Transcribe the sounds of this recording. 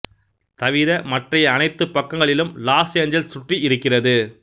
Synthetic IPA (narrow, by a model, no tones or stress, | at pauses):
t̪ɐʋɪðɐmɐʈrɐjɐːnɐɪt̪ːɯpːɐkːɐŋɡɐɭɪlɯmlaːseːɲd͡ʒɐlsʊʈriʔɪɾɯkːɪrɐðɯ